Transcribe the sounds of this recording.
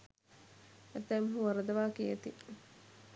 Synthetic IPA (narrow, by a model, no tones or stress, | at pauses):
ɐt̪ɛmɦuʋɐɾɐd̪ɐʋaːkiet̪i